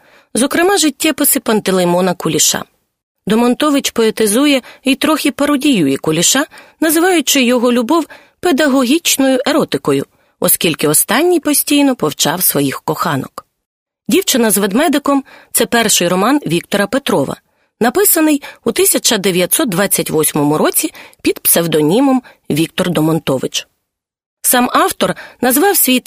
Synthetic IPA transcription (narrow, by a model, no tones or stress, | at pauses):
zɔkɾɪmɑʒɪtʲːɛpɪsɪpɐnt̪elˠɪmɔnɐkʊlʲiʃɑ̰ | d̪ɔmɔnt̪ɔʋɪt͡ʃpɔet̪ɪzujɛit̪ɾɔxʲipɐɾɔdʲijujikʊlʲiʃɑnɐzɪʋɑjʊt͡ʃɪjɔɦɔlʲʊbɔw | pe̞d̪ɐɦɔɦʲit͡ʃnɔjʊʔe̞ɾɔt̪ɪkɔjʊ̰ | ɔskʲilʲkɪɔst̪ɑnʲːijpɔsʲtʲijnɔpɔwt͡ʃɑwsʋɔjixkɔxɑnɔ̰k | dʲiwt͡ʃɪnɐzʋed̪mɛd̪ɪkɔmt̪sɛpɛrʃɪjɾɔmɑnʋʲik̚t̪ɔɾɐpet̪ɾɔʋɐ̰ | nɐpɪsɐnɪjut̪ɪsʲɐt͡ʃɐd̪eʋʲjɐt̪ʲsɔt̪̚d̪ʋɑt͡sʲːɐtʲʋɔsʲmɔmʊɾɔt͡sʲipʲid̪psewd̪ɔnʲimɔmʋʲik̚t̪ɔrd̪ɔmɔnt̪ɔʋɪt͡ʃ | sɑmɑwt̪ɔrnɐzʋɑwsʲʋʲijt̪